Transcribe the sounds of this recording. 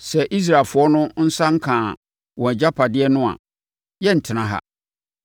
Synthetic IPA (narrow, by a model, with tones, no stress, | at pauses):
sɛ˨ʔi˦s̬ɾa˨lfʊ˨˦ɔ˦nʊ̃˦n̩˦sã˦ŋ̩˦kʰãː˨ | wɔ̃˨d͡ʑa˦pʰa˨dɪ˦ɛ˦nʊ̃˦a̰˨ | jɛ˦n̩˨tʰɪ˨nã˨ɦa̰˨